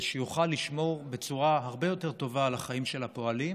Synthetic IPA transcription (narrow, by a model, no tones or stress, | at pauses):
ʃejuχalːiʃmo̞ʁbe̞t͡suʁaɦaʁbe̞jo̞te̞ʁt̪o̞vaːlaχaimʃe̞lapo̞alim